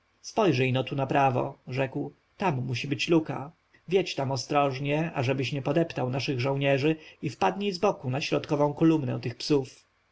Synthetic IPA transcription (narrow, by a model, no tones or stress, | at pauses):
spɔjʐɛjnɔt̪unapɾavɔ̰ʐɛkw | t̪amːuɕibɘt͡ɕluka̰ | vʲjet͡ɕt̪amɔst̪ɾɔʐɲɛaʐɛbɘɕɲɛpɔd̪ɛpt̪awnaʂɘɣʐɔ̃w̃ɲɛʐɘifpad̪ɲizbɔkunaɕɾɔt̪kɔvɔ̃w̃kɔlumnɛ̰wt̪ɘxpsuf